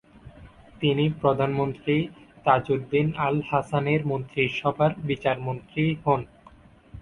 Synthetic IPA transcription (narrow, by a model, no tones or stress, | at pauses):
t̪inipɾod̪ʱanmont̪ɾit̪ad͡ʑuɾd̪inalhasaneɾmont̪ɾiʃɔbʱaɾbit͡ɕaɾmont̪ɾihɔn